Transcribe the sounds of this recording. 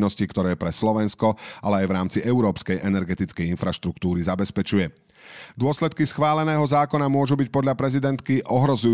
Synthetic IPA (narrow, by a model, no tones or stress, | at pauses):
nɔscikt̪ɔɾɛːpɾɛslɔʋɛnskɔʔalɛajʋɾaːmt͡siʔɛʊɾɔːpskɛjʔɛnɛɾɡɛt̪it͡skɛjinfɾaʃt̪ɾukt̪uːɾizabɛspɛt͡ʃujɛ | d̪ʊɔslɛt̪kisxʋaːlɛnɛːɦɔzaːkɔnamʊɔʒubic̚pɔd̪ʎapɾɛzid̪ɛnt̪kiʔɔɦɾɔzuj